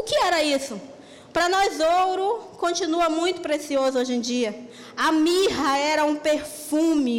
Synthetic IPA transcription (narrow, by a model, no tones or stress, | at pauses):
ʊkɪɛɾɐisʊ | pɾɐnɔzowɾʊkõnt͡ʃĩnuɐmũj̃t̪ʊpɾesiozʊoʒẽd͡ʒiɐ | ɐmiɦɐɛɾɐũpeɾfũmɪ